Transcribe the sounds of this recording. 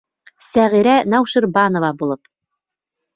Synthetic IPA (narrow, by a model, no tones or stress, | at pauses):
sæʁiɾænɑwʃɤ̆ɾbɑnovɑbulˠɤp